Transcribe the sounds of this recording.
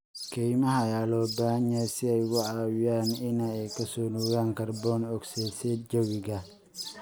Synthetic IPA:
kʰɛjmɐɦɐjaːlɔːbaːhɐɲɛsɪɛjɣʊʕɑːwɪjaːnɪnɐɛjkʰɐsɔːnuːɣaːŋkʰɐrbɔːnɔɡsɛːsɛːd͡ʒɐwɪɣɐ

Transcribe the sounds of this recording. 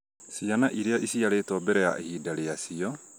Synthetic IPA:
sianaʔiɾiaʔisiaɾet̪ɔbɛɾɛja̰ʔehidaɾeasiɔ

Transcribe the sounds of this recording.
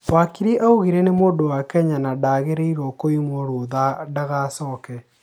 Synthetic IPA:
wakiɾiʔauɣiɾɛnemoːdowakɛɲanadaɣeɾeiɾɔkoimwɔɾoðadaɣasɔːkɛ

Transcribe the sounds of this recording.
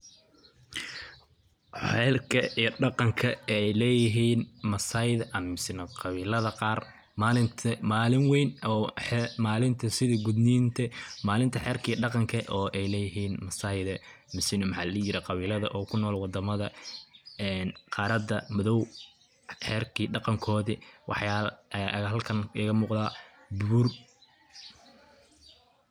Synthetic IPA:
ħɛːrkʰɐiːɖɑqɑŋkʰɐɛjlɛːjɪɦiːnmɐsaːjðɐʔɐmɐmɪsɪnɐqɑβiːlɐðɐqɑːr | maːlɪnt̪ʰɐmaːlɪŋwɛjnɔːħɛmaːlɪnt̪ʰɐsɪðiɡʊd̪niːnt̪ʰɛmaːlɪnt̪ʰɐħɛːrkʰiːɖɑqɑŋkʰɐʔɔːʔɛjlɛːjɪɦiːnmɐsaːɪðɛ | mɪsɪnɔmħɑllɐjɪɾɛqɑβiːlɐðɐʔɔːkʰʊnɔːlwɑd̪ɐmɐðɐ | ɛːnqɑːɾɐd̪ɐmʊðɔw | ħɛːrkʰiːɖɑqɑŋkʰɔːðiwʔɑ̰ħjaːlːʔɦɐlkʰɐnɐɣɐmuːqðaː | buːr

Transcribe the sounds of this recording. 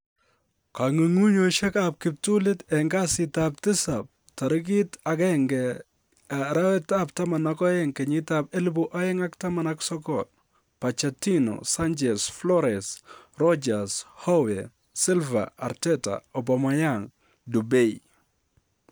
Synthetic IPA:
kaŋiŋuɲoʃɛkap̚kɪp̚tulɪtɛŋɡasɪtap̚tɪsap̚ | taɾɪk̬itakɛŋɡɛ | ɾawɛtap̚tamanakɔjɛŋkɛɲɪtapɛlbuʔajɛŋaktamanaksɔkɔt̚ | pat͡ʃatinɔ̰sant͡ʃɛsflɔɾɛs | rɔd͡ʒashɔwɛ | sɪlva̰aɾtɛta̰ɔbamajaŋ | dubɛi

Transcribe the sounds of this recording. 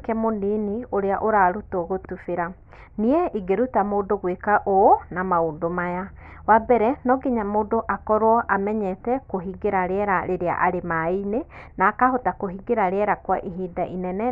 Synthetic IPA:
kɛmoninioɾeaʔoɾaɾutoɣotufeɾa | nieiɡeɾutamoːndoɣwekaʔonamaondomaja | wabɛɾɛnɔɡeɲamoːdoʔakɔɾwɔʔamɛɲɛtɛkoɦiɡeɾaɾeɛɾaɾeɾea̰ʔaɾemainenaːkahotakoɦiɡeɾaɾeɛɾakwaʔiɦiːdaʔinɛnɛ

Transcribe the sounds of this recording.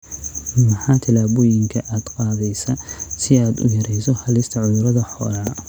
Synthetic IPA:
mɐħɑːt̪ʰɪlaːβɔjɪŋkʰɐʔaːd̪qɑːðɛjsɐsɪaːd̪ʊ̰jɐɾɛjsɔhɐlɪst̪ʰɐʕʊðʊɾɐðɐħɔːlɐ

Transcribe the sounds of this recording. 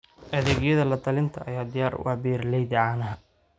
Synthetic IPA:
ʔɐðɛːɣjɐðɐlɐd̪ʰɐlɪnt̪ʰɐʔɐjaːd̪ɪjaːrwʔɑ̰ħbiːrlɛjd̪ɪʕaːnɐɦ

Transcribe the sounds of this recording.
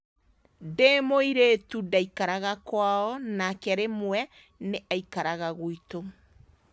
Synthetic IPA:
demoiɾetudaikaɾaɣakwaɔnakɛɾemwɛ | neʔaikaɾaɣaɣoito

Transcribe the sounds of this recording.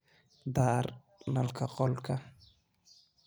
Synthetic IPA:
d̪aːɾ | nalkʰaqolka

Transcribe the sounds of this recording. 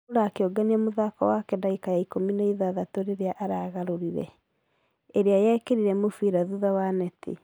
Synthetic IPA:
uɾaːkeɔɡaniamoðakɔ̰wakɛdaikajaikominaiðaðatoɾeɾeaʔaɾaːɣaɾoɾiɾɛ̰ | eɾeajɛːkeɾiɾɛmofiɾaðuðawanɛtḛ

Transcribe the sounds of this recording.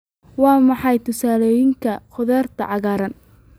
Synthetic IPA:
wɑːmɑħɑjt̪ʰʊsaːlɔːjɪŋkʰɐχʊðɛːrt̪ʰɐ̰ʕɑɣaːɾɐn

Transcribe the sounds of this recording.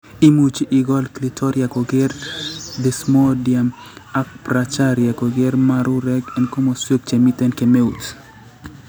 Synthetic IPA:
imut͡ʃʔɪɡɔlklitʰɔɾjakoɡeɾd̪ɪsmodjamak̚pɾat͡ʃaɾjakoɡeɾmaɾuɾɛɡɛnkomoswek̚t͡ʃemit̪ɛnkemeut

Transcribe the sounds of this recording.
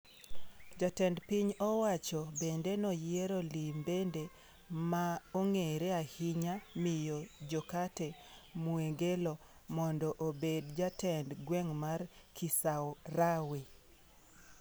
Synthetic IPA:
d͡ʒatɛndpiɲɔwat͡ʃɔbendenɔjieɾɔlimbende | maoŋeɾeahiɲamɪjɔd͡ʒɔkatemueɡelɔ | mɔndɔʔobedd͡ʒatɛndɡwɛŋmarkʰisawrawe

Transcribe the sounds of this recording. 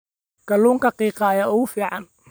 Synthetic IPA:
kɐluːŋkʰɐqiːqɑjaːʊɣʊfiːʕɑn

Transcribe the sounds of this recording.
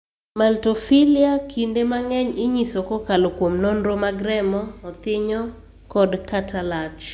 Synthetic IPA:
maltofiliakʰindemaŋɛɲɪɲisokɔkalokwomnonɾomaɡɾɛmɔːt̪ɪɲɔ | kɔdkatʰalat͡ʃ

